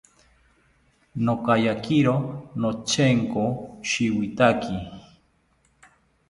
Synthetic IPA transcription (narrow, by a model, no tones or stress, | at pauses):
nokajakiɾonot͡ʃeŋkoʃiwit̪akʰi